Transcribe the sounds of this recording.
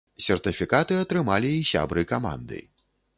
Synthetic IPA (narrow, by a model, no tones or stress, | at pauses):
sʲɛrt̪ɨfʲikat̪ɨɐt̪ɾɨmalʲiːsʲa̰bɾɨkama̰nd̪ɨ̰